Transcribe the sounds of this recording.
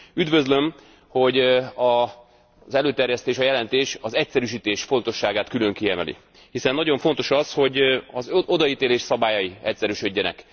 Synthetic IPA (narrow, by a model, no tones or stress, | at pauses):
yd̪vø̞zløm | ho̞ɟɒ | zɛløːt̪ɛrjɛst̪eːʃɒjɛlɛnt̪eːʃɒzɛcsɛɾyʃ̬iːt̪eːʃfo̞n̪t̪o̞ʃːaːɡaːt̪kylø̞ŋkiɛmɛ̰lḭ | hisɛnːɒɟo̞ɱfo̞n̪t̪o̞ʃɒsho̞ɟɒzo̞d̪ɒiːt̪eːleːʃsɒbaːjɒjiɛcsɛɾyʃø̞ɟːɛnɛ̰k